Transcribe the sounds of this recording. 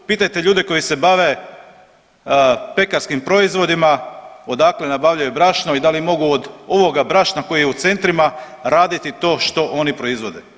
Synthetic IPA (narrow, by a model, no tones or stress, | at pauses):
piːt̪ajt̪eʎuːd̪eko̞jise̞baʋe̞ | pe̞kaɾskimpɾo̞izʋo̞d̪imao̞d̪akle̞nabaʋʎajubɾaʃnoid̪alimo̞ɡuod̪o̞ʋo̞ɡabɾaʃnako̞jijeut̪se̞nt̪ɾima | ɾaːd̪it̪it̪o̞ːʃt̪o̞ʔo̞nipɾo̞izʋo̞d̪e